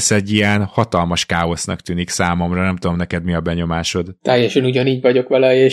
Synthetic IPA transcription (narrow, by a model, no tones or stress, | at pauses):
sɛɟːijɛnhɒt̪ɒlmɒʃkaːo̞snɒkt̪yːniksaːmo̞mrɒnɛmt̪ud̪omnɛkɛd̪miɒbɛɲo̞maːʃo̞d̪t̪ɛjɛʃɛnuɟɒniːɟʋɒɟo̞kʋɒlɒeː